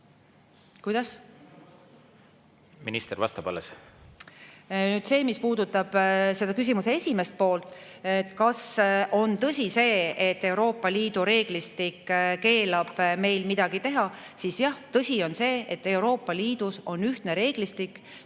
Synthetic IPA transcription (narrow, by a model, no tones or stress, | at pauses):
kujd̪̥ɑs | minist̪eɾvɑ̰st̪ɑb̥ɑ̰les | nyːd̪̥se̞ːmispuːd̪ut̪ːˑɑb̥se̞d̪ɑkys̬ʲimusee̞sʲime̞st̪̚po̞ːlt̪ˑet̪ːkɑso̞nt̪ɤsʲise̞ːet̪ːe̞wɾo̞ːpːˑɑliːd̪̥uɾe̞ːɡ̥list̪ikːke̞ːlɑb̥me̞jlmid̪̥ɑɡ̥it̪e̞ɦɑ | sisjɑht̪ɤsʲio̞nse̞ːet̪ːe̞wɾo̞ːpːˑɑliːd̪̥uso̞nyht̪ne̞ɾe̞ːɡ̥list̪ikː